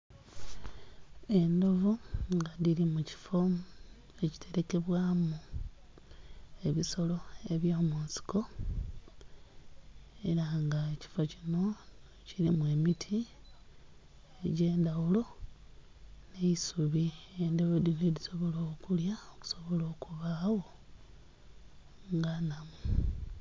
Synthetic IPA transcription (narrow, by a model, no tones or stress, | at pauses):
e̞ndo̞vuŋɡaðilimuci̥fo̞ | eci̥tʰe̞ɾe̞ke̞βwaːmu | eβiso̞lo̞e̞βjoːmuːnsi̥ko̞ | e̞ɾaŋɡaeci̥focino̞ | ciɾimwe̞ːmitʰi | eɟe̞ːndawulo̞ | ne̞isuβiendeβodineliso̞βo̞loːkuljaoku̥so̞βo̞lo̞ːkʰuβawo̞ | ŋɡanamu